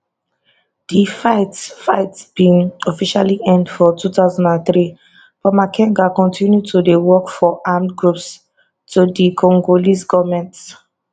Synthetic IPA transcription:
d̥ifaɪtfaɪtsb̥ĩnɔfiʃaliʔɛ̃ndfɔtutaʊzãndãnθɹi | bɔmakʰɛ̃ŋɡakɔ̃ntʰĩnjutʰudewɔkfɔʔamɡɹups | tʰudikʰɔ̃ŋɡolisɡɔvmɛ̃nt

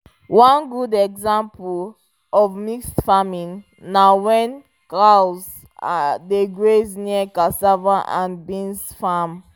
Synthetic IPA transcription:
wɔ̃nɡudɛɡzãmpl | ɔvmikstfamĩnː | awɛ̃n | kaws | adeɡɹesniəkasavaʔãnbĩnsfam

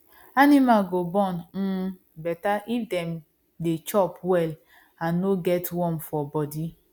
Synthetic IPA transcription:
animaɡobɔnm̩ | bɛtaʔifdɛm | det͡ʃɔpwɛl | anoɡɛtwɔ̃mfɔbɔdi

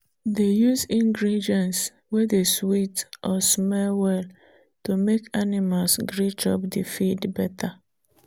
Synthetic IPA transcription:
dejuzĩŋɡɹidiɛ̃ns | wɛdeswitʔɔsmɛlwɛl | tumekanimalsɡɹit͡ʃɔ̰pdifidbɛtʰa

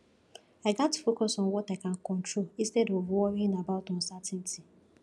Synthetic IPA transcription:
aɪɡatu̥fokɔsɔ̃nwɔtaɪkãŋ̩kɔ̃ntɾoistedɔvʊɔɾɪɪnabaʊtɔ̃n̩satɪn̩ti

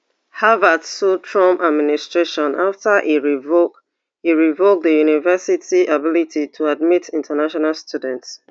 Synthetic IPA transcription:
havadsutʰɹɔ̃mʔad̚ministɹ̥eʃɔ̃nʔaftəʔiɹivo | iɹivok̚dəjunivɛsitiʔabɪlitʰitʰuadmitĩntʰənaʃɔnalˠstʰjudɛ̃nts

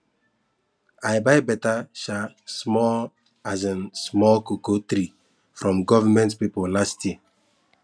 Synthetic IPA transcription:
aɪbaɪbɛtaʃa | smɔ | azãnsmɔlkokot̪ɾi | fɾɔ̃mɡɔvamɛ̃ntpipolastjiə

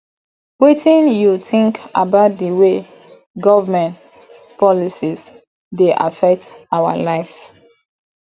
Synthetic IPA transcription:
wetĩnjuθĩŋka̰baʊt̚dəwe | ɡɔvmɛ̃nt | pʰɔlisis | deʔa̰fɛk̚tawa̰laɪfs

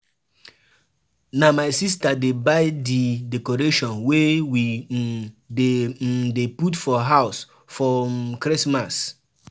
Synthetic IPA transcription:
namaɪsis̬tadebaɪdidɛkɔɾeʃɔ̃nwewi | dedeputfɔɦaʊs | fɔmkɾismas

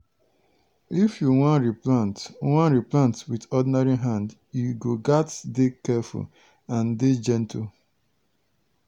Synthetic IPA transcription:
ifjuwɔ̃nɹiplantwɔ̃nɹiplãntwidɔdinaɾiɦãndjuɡoɡatdekɛfṵl | ãnded͡ʒɛ̃ntʰi

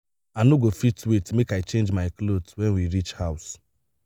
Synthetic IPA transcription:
anoɡofitwetmekaɪt͡ʃẽnd͡ʒmaɪklotwɛ̃nwiɹit͡ʃhaʊs

